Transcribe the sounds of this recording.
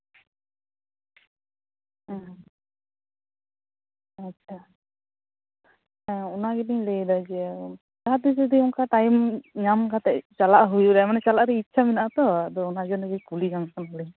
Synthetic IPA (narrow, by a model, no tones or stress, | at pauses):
atːt͡ʃʰa | ɔnaɡɛniɲlejd̪ad͡ʒɛ | t̪aad̪id͡ʒɔd̪iuŋkaʈajmɲamkat̪ɛʔt͡ʃalaʔɦujuɾamanɛt͡ʃalaʔɾɛitːt͡ʃʰamɛnaʔat̪ɔad̪ɔɔnad͡ʒɔnɛɡɛkulid͡ʒaŋsanɔliɲ